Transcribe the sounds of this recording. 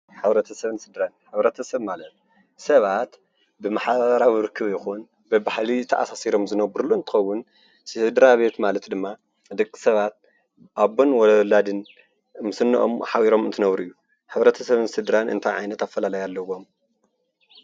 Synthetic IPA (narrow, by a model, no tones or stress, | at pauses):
ħɨβɾɐt̪ʰɐsɐβɨnsɨd̪ɾanħɨβɾɐt̪ʰɐsɐβmalɐt̪̚ | sɐβat̪ | bɨmaħaɾawɾɨkʰːɨβjɪxun | bɨbahlit̪ʰɐʔa̰sasiɾo̞mzɨnɐbɨɾluɨnt̪ʰɨ̥xɐwːʊn | sɨd̪ɾaβet̪malɐt̪d̪ɨmːa | d̪ɨkʼːi̥sɐβat̪̚ | ʔaβonwɔlad̪ɨn | mɨsɨnːɨʔomħawiɾo̞mɨnt̪ʰɨnɐβɾuʔɨjːu | ħɨβɾɐt̪ʰɐsɐβɨnsɨd̪ɾanʔɨ̰nt̪ʰajʕajnɐt̪afːɐlalajalːɐwo̞m